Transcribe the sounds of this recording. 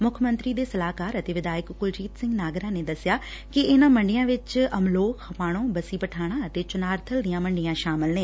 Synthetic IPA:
mʊkʰmə̃nt̪ɾiːd̪eːsəlaːkaːɾət̪eːʋɪd̪aːjəkkʊld͡ʒiːt̪sɪ̃ŋɡnaːɡɾãːneːd̪əsɪjaː | kɪɪnãːməɳɖijãːʋɪt͡ʃəmloːkʰhəpaːɽ̃õːbəsiːpəʈʰaːɽ̃ãːət̪eːt͡ʃʊnaːɾt̪ʰəld̪ijãːməɳɖɪjãːʃaːmɪlneː

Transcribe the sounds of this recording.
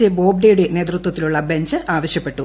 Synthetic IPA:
ebo̞ːbɖejɽene̞ːt̪rɨt̪wɐt̪ːiluɭːɐbe̞ɲd͡ʑɨaːʋɐɕjɐpːe̞ʈːu

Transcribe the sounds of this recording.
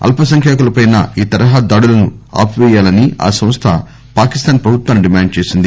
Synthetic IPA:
ɐ̰lpʰɐsɐŋkʰjaːkɐlɐpɐjnɐ̰iːt̪ɐɾɐɦaːd̪aːɽulɐnua̰ːpiʋɛːjaːlɐnia̰ːsɐ̃m̃st̪ʰɐ | paːkist̪aːnpɾɐbʱut̪ʋaːnɖimaːɳɖt͡ʃe̞ːsind̪i

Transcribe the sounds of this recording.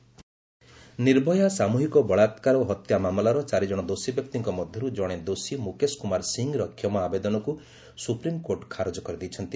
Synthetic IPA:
niɾbʱɔjasamuɦikɔbɔɭat̪kaɾɔɦɔt̪jamamɔlaɾɔt͡ʃaɾid͡ʒɔɽ̃ɔd̪osibjɔk̚t̪iŋkɔmɔd̪ʱjɔɾud͡ʒɔɽ̃ed̪osimukeskumaɾsiŋɡɾɔkʰːjɔmɔabed̪ɔnɔku | supɾimkoɾʈkʰaɾod͡ʒɔkɔɾid̪it͡ʃʰɔnt̪i

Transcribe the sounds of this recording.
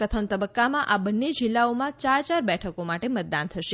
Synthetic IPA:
pɾət̪ʰəmt̪əbəkːamãʔabənːed͡ʒilːaomãt͡ʃaɾt͡ʃaɾbɛʈʰəkomaʈemət̪̚d̪ant̪ʰəʃe

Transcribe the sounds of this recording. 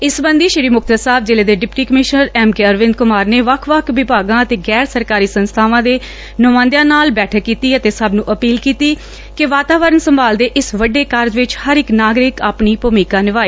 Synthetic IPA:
ɪsbə̃nd̪iːʃɪɽiːmʊkʰt̪əsaːb̚d͡ʒeːleːd̪eːɖɪpʈiːkəmɪʃnəɾɛːmkeːəɾʋɪ̃nd̪̚kʊmaːɾneːʋəkʰʋəkʰʋɪbaːɡãːət̪eːɡɛːɾsəɾkaːɾiːsənst̪ʰaːʋãːd̪eː | nʊmãːnd̪jãːnaːlbɛːʈʰəkːiːt̪iːət̪eːsəbnũːʔəpiːlkiːt̪iː | kɪʋaːt̪aːʋəɾənsəmbaːld̪eːʔɪsʋəɖeːkəɾd͡ʒʋɪt͡ʃhəɾɪknaːɡɾɪkaːpniːpomiːkãːnɪʋaːiː

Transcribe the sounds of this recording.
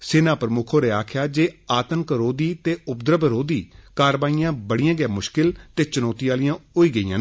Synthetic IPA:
sɪnãːpɾəmʊkʰõːɾeːaːkʰɪjaːd͡ʒeːaːt̪ənkɾoːd̪iːt̪eːʊp̚d̪ɾəbɾoːd̪iːkaːɾʋaːijãːbəɽijãːɡɪjãːmʊʃkɪlt̪eːt͡ʃənɔːt̪iaːlijãːoiːɡəiːã̰ː

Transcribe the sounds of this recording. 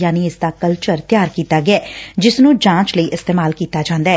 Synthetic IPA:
jaːniɪsd̪aːkəlt͡ʃəɾt̪ɪjaːɾkiːt̪aːɡɪɛːd͡ʒɪsnũːd͡ʒãːt͡ʃləiːʔɪst̪eːmaːlkiːt̪aːd͡ʒãːnd̪aːɛː

